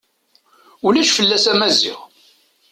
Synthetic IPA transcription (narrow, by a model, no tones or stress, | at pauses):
ulæʃfəlːæsæmæzḭʁ